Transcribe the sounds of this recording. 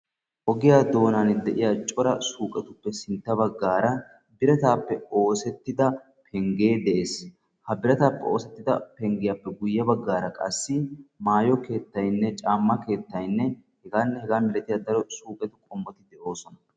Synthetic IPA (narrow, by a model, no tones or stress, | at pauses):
ʔɔɡɪjaːd̪o̞ːnaːnd̪ɛʔɪjaːt͡ʃʼɔɾɐsuːkʼɛt̪ʊpːɛsɪnt̪ːɐbɐɡːaːɾɐ | bɪɾɛt̪aːpːɛo̞ːsɛt̪ːɪd̪ɐ | pʰɛŋɡeːd̪ɛʔeːs | hɐbɪɾɛt̪aːpːɛo̞ːsɛt̪ːɪd̪ɐpɛŋɡɪjapːɛɡʊjːɐbɐɡːaːɾɐkʼɐsːɪmaːjɔke̞ːt̪ːɐjnːɛt͡ʃʼaːmːɐke̞ːt̪ːɐjnːɛ | hɛɡaːnːɛhɛɡaːmɪlɛt̪ɪjad̪ɐɾɔsuːkʼɛt̪ʊkʼɔmːɔt̪ɪd̪ɛʔo̞ːsɔnɐ